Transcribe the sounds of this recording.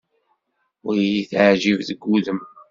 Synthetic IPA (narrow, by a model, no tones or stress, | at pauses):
ʊjiθaʕʒivðəɡːuðəm